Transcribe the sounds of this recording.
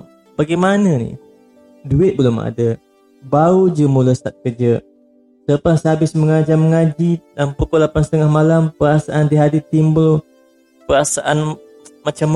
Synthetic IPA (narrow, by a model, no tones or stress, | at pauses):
b̥aɡajmanənḭ | duɪt̪̚bəlʊma̰də | baɾud͡ʒəmuləst̪at̪̚kərd͡ʒə | sələpashabɪsməŋad͡ʒaməŋad͡ʒilampukʊlapansət̪əŋahmalampəɾasaʔand̪iɦadit̪imbəl | pəɾasaʔan | mat͡ʃam